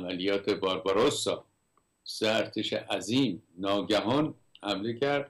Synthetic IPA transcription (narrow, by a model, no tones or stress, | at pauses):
mælijɒːt̪ʰebɒːɾbɒɾosːɒː | seæɾt̪ʰeʃḛʔæziːmnɒːɟæɦɒːn | hæmlecʰæɾd̪̥